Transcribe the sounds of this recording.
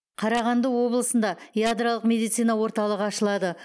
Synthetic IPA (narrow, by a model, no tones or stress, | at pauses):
qʰɑɾɑʁɑnd̪əwo̞blˠəsənd̪ɑjad̪ɾalˠəqmʲe̞d̪ijt̪sijnɑwo̞ɾt̪ɑlˠəʁəɑʃəlˠɑd̪ə